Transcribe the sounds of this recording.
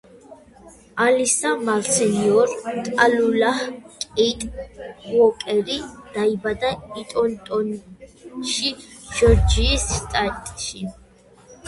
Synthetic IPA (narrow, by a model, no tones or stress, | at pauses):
alisamalsɛniɔɾt̪ʼalulahkʼɛt̪ʼwɔkʼɛɾid̪̥aibad̪ait̪ʼɔnt̪ʼɔn | ʃiʒ̥ɔɾd͡ʒiːsst̪ʼat̪ʼʃi